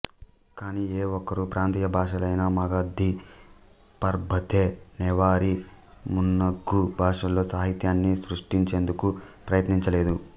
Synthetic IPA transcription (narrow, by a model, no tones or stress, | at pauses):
kaːnieːɔkːɐɾupɾʔaːnt̪iːjɐbʱaːʂɐlɐjnaːmɐɡaːd̪ʱːi | pɐɾbʱɐt̪ʰeːnɛːʋaːɾimunːɐɡːubʱaːʂɐlːo̞ːsaːɦit̪jaːnːisɾuʂʈiɲt͡ʃe̞ːnd̪ukupɾɐjɐt̪niɲt͡ʃɐle̞ːd̪u